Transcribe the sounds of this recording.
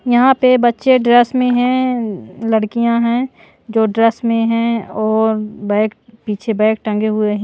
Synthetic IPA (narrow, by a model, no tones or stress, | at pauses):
jɐɦãpebətːʃeɖɾɛsmẽɦɛ̃ | ləɽkijãɦɛ̃ | d͡ʒoːɖɾɛsmẽɦɛ̃ɔːɾbɛɪkpiːt͡ʃʰebɛ̃ɪk̚ʈə̃ŋɡeɦʊeɦɛ̃